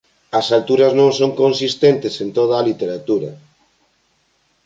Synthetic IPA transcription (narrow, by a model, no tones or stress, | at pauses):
ɐsalt̪uɾɐznõŋsoŋkonsist̪ent̪ɪsent̪oð̞aːlit̪eɾat̪uɾɐ̰